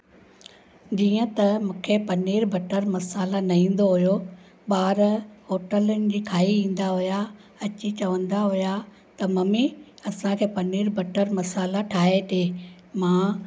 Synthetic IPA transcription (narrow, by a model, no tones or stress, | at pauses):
d͡ʑiːə̃t̪ɐmũːkʰepɐniːɾbʱɐʈəɾmɐsaːlanɐɦĩːn̆d̪oɦʊjo | ɓaːɾɦoːʈələnɪ̆d͡ʑiːkʰaːiʋĩːn̆d̪aɦʊja | ɐt͡ɕit͡ɕɐʋə̃nd̪aɦʊja | t̪ɐmɐmiɐsãkʰeːpɐniːɾbʱɐʈəɾmɐsaːlaʈʰaːɦeʈʰeː | mãː